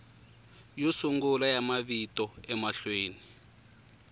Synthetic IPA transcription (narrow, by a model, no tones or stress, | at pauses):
josuŋɡulajamaβitɔɛmaɬweːni